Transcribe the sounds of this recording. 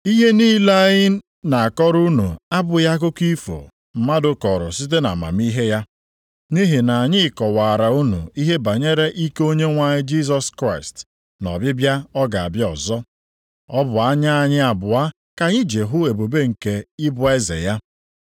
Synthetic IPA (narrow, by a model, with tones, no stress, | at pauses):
i˦ɦe˦niː˦la˦ɲɪ˦ | na˨a˨kɔ˦ɾu˦nṵ˨a˦bʊ˨ja˦k̬ʊ˦ki˦fo̰˨ | m̩˨ma˦dʊ˨kɔ˨ɾʊ̰˨si˦t̬e˦na̰˨ma̰˨mi˦ɦe˦ja˦ | ni˦ɦi˨na˨a˨ɲɪ˦kɔ˨waː˨ɾa˨u˦nṵ˨i˦ɦe˦ba˨ɲe˦ɾe˦ʔi˦ko˦ɲe˦ŋʷa˨ɲɪ˦d͡ʒi˦s̬ɔ˨skɾa˦˨ɪ˨st | nɔ̰˨bɪ˦bja˦ɔ˦ɡa˨a̰˨bɪ˦ɔ̰˨zɔ˦ | ɔ˦bʊ˨a˦ɲa˦a˨ɲɪ˦a˨bʊ˨a˦ | ka˨ɲɪ˦d͡ʒe˨ɦʊ˦e˨bo˨be˦ŋ̩˨ke˨ɪ˦bʊ˨e˦zḛ˨ja˦